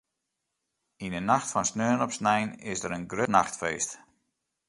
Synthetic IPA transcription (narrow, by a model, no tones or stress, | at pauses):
inənaxtfɔnsnøːnɔpsnɛjnɪ̰sdəɾənɡrønaxtfeːst